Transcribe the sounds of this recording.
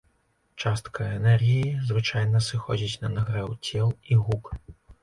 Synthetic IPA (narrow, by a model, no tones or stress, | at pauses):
t͡ʂast̪kɐɛnɛrɣʲijizvɨt͡ʂajnɐsɨxɔd͡zʲit͡sʲnɐnaɣɾɛwt͡sʲɛlˠiɣuk